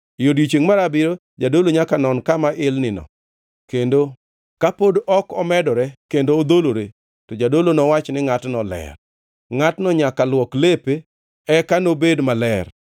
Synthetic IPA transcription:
jodjit͡ʃeŋmaɾabɪɾo | d͡ʒadoloɲakanɔnkamaʔɪlnɪnɔ̰ | kendo | kapodɔkɔmɛdɔɾɛkendoːd̪oloɾe | tɔd͡ʒadolonɔwat͡ʃnɪŋatnɔlɛ̰r | ŋatnɔɲakalwɔklepe | ɛkanobedmalɛr

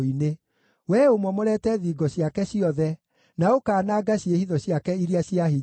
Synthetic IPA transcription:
ine | wɛomwɔmoɾɛtɛðiːɡɔɕjakɛɕiɔðɛ | naokaːnaːɡaɕiehiðɔɕjakɛiɾiaɕiaɦi

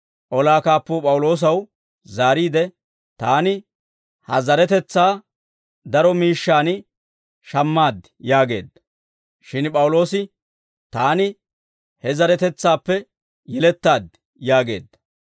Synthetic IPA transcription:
ʔɔlaːkaːpːoːpʼɐwʊlo̞ːs̬ɐw | zaːɾiːd̪ɛ | t̪aːnɪ | hɐzɐɾɛt̪ɛt͡sːaː | d̪ɐɾɔmiːʃːaːnɪ | ʃɐmːaːd̪ | jaːɡe̞ːd̪ɐ | ʃɪnpʼɐwʊlo̞ːsɪ | t̪aːnɪ | hɛzɐɾɛt̪ɛt͡sːaːpːɛ | jɛlɛt̪ːaːd̪ | jaːɡe̞ːd̪ːɐ

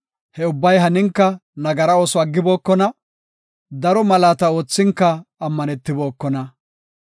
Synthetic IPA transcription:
hɛʊbːɐjɦɐnɪŋkːɐnɐɡɐɾɐoːsɔɐɡːɪbo̞ːkːɔnɐ | d̪ɐɾɔmɐlaːt̪ɐo̞ːt͡sːɪŋkːɐːmːɐnɛt̪ːɪbo̞ːkːɔnɐ

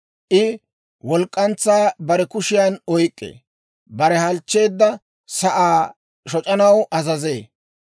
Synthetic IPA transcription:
ʔɪ | wɔlkʼːɐnt͡sːaːbɐɾɛkʊʃɪjaːnɔjkʼːḛ | bɐɾɛhɐlt͡ʃːe̞ːd̪ːɐ | sɐʔaː | ʃɔt͡ʃʼɐnɐwʔɐzɐzeː

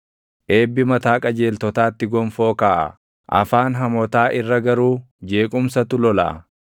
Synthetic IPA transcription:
ʔe̞ːbːɪmɐt̪aːkʼɐd͡ʒe̞ːlt̪ɔt̪aːt̪ːɪɡɔmfo̞ːkaːʔɐ̰ | ʔɐ̰faːnɦɐmɔt̪aːʔɪrːɐɡɐɾuː | d͡ʒe̞ːkʼʊmsɐt̪ʊlɔla̰

